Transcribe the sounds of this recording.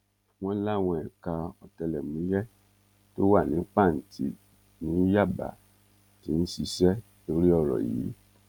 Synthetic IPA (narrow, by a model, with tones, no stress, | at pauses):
w̃ɔ̃˦la˦˨w̃ɔ̃˧ɛ˨ka˧ɔ˧tɛ˧lɛ˨mũ˨˦jɛ˦ | to˦wa˦˨nĩ˨˦k͡pa˦˨n̩˨tʰḭ˨˦ | nĩ˨˦ja˦˨ba̰˨ | ti˨˦n̩˦si˧ʃɛ˦ | lo˧ɾi˦ɔ˧ɾɔ̰˨jḭː˨˦